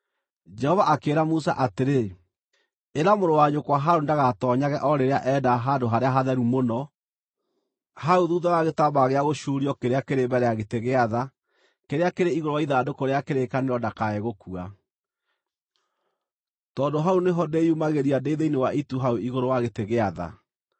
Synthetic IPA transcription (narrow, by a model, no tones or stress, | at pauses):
d͡ʒɛhɔvaʔakeːɾamus̬a̰ʔateɾe | eɾamoɾowaɲokwaɦaondaɣatɔɲaɣɛʔɔɾeɾeaʔɛdaɦadoɦaɾeaɦaðɛɾumonɔ | haoðuːðaɣaɣetabaɣeaɣoʃuɾiɔkeɾeakeɾebɛɾɛjaɣeteɣeaða | keɾeakeɾeiɣoɾowaiðadokoɾeakeɾekaneɾɔdakaɛɣokua | tɔːndoɦaoneɦɔdeumaɣeɾiadeiðeinewaʔituɦaoiɣoɾowaɣeteɣeaða̰